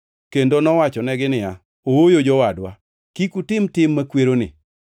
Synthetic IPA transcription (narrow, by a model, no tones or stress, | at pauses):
kendonɔwat͡ʃɔnɛɡɪnɪja | owojod͡ʒɔwadwa | kikutɪmtɪmːakweɾonɪ̰